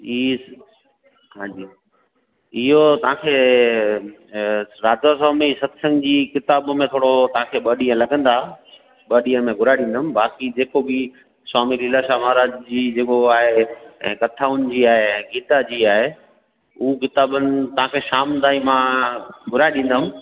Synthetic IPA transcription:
i | ɦãːd͡ʑiː | ɪɦot̪ɐʋ̤ãːkʰeː | ɾaːd̪asaːmisɐt̪sə̃ŋɡd͡ʑiːkɪt̪aːbmẽt̪ʰoːɽot̪ɐʋ̤ãkʰeːɓɐɗijə̃lɐɡə̃nd̪a | ɓɐɗijə̃mẽɡʱʊɾaːeɗĩn̆d̪əmbaːkid͡ʑeːkobi | swaːmililaʃaːmaːɾaːd͡ʑd͡ʑiːd͡ʑeːkoaːɦeɛ̰̃ːkɐt̪ʰaːʊnɪd͡ʑiːaːɦẽːɡiːt̪ad͡ʑiːaːɦe | uːkɪt̪aːbənɪ̆t̪ɐɦãːkʰeʃaːmd̪aːimãɡʱʊɾaːeɗĩn̆d̪əɦʊm

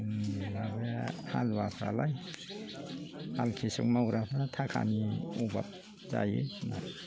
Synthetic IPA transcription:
nabejaha̰lwasʰɾa̰laj | halkʰisukmawɾapʰaɾat̪ʰakʰa̰niuba̰p̚ | za̰jena

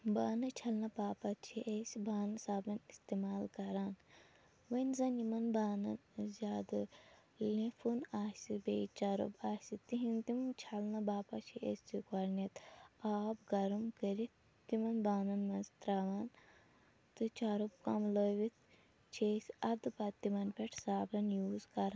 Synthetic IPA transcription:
baːnɨt͡ʃʰɐlnɐpaːpɐt͡ʃʰiʔesʲbaːnɐsaːbɐnist̪emaːlkɐɾaːn | ʋɐnzɐnimɐnbaːnɐ̰nzʲaːd̪ɨ | lĩfʰunaːsibḛt͡ʃaːɾṵbaːsʲit̪iɦint̪imt͡ʃʰɐlnɐbaːpɐt͡ʃʰiʔesʲt͡sikɐɾnʲɐt̪aːbɡɐɾmkəɾit̪ | t̪imɐnbaːnɐnmɐnzt̪ɾaʋaːn | t̪ɨt͡ʃaːɾub̚kɐmloʋit̪ʰ | t͡ʃʰeːsʲɐd̪ɨpɐt̪ːimɐnpʲeʈʰsaːbɐnjuːzkɐɾan

